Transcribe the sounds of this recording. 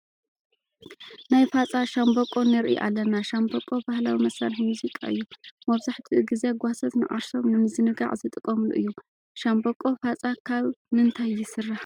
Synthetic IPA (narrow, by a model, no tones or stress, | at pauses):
najfat͡sʼaʃambokʼo̞nɨɾʔḭʔa̰lːɐnaʃambokʼobahlawimɐsɐnħmuzikʼaʔɨjːumɐβzaħt̪ʰiɡize̞ɡʷasɐt̪nɨ̰ʔa̰ɾso̞mnɨmɨzɨnɨɡa̰ʕzɨt̪ʼɨkʼːɐmlṵʔɨ̰jːu | ʃambokʼofat͡sʼakʰaβmɨnt̪ʰajːɪsɨrːaħ